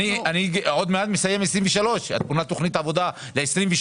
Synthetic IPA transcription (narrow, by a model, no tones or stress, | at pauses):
ianiod̪meat̪mesaje̞mesʁiɱveʃalo̞ʃa̰t̪munat̪o̞χnit̪aːvo̞d̪a | leesʁiɱveʃ